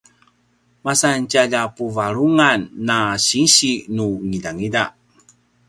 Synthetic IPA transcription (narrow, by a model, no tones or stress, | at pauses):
masancaʎapuvaɾuŋanːaɕiɕinuŋidaŋidaʔ